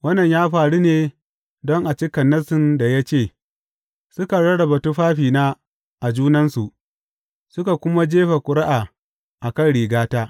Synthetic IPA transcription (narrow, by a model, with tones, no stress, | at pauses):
wɐ˦nːɐ˨ɲjaː˦ɸaː˨ɽu˦neː˨ | dɔ˦ŋʔa˨t͡ʃɪ˦kɐ˨nːɐ˦sɪ˦nda˨ja˦t͡ʃeː˦˨ | sʊ˦ka˨ɽɐ˦ɽɐ˨bɐ˨tu˦ɸaː˦ɸiː˨naː˦ | ʔa˨d͡ʒuː˦nɐ˦nsu˨ʔ | sʊ˦ka˨kʷʊ˦ma˦d͡ʒeː˦ɸa˨kʷʼʊ˨ɾa˦ʔa˨ | ʔa˨kɐ˦nɽiː˨ɡaː˦taː˦ʔ